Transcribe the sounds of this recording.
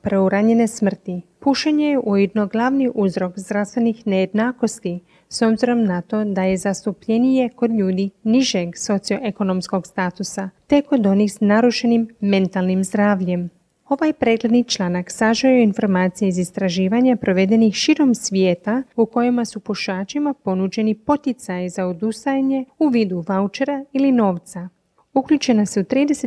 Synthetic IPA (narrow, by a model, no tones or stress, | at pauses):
pɾeuɾaɲe̞ne̞smr̩t̪ipuʃaɲejeʔujed̪no̞ɡlˠaʋniʔuzɾo̞kzd̪ɾast̪ʋe̞nixne̞jed̪naːko̞st̪i | so̞bziɾo̞mnat̪o̞d̪aje̞zast̪upʎe̞nije̞ko̞d̪ʎuːd̪iniʒe̞ɡso̞t̪sijo̞ʔeko̞no̞msko̞ɡst̪aːt̪usat̪e̞ko̞d̪o̞nixsnaɾuʃenimːe̞nt̪alˠnimzd̪ɾaːʋʎe̞m | o̞ʋajpɾe̞ːɡ̪le̞d̪nit͡ʃlˠaːnaksaʒajoinfo̞ɾmaːt̪sijeizist̪ɾaʒiːʋaɲapɾo̞ʋe̞d̪e̞nixʃiɾo̞msʋjeːt̪auko̞jimasupoʃaːt͡ʃimapo̞nud͡ʑe̞nipo̞t̪it̪sajizaod̪ust̪ajɲe̞uʋiːd̪uʋaut͡ʃe̞ɾailino̞ːʋt̪sa | ukʎut͡ʃe̞naseut̪ɾiːd̪e̞se